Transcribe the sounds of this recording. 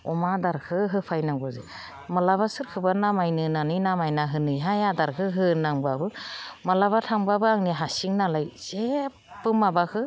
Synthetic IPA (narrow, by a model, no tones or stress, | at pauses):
ɔmadaɾkʰɯɦɯpʰajnaŋɡɔze | malaβasɯɾkʰɯbanamajnɯnanɯjnamajnaɦɯnɯjɦajadaɾkʰɯɦɯnaŋbabɯmalaβatʰaŋbabɯaŋniɦasiŋnalajz̥e | pɯmabakʰɯ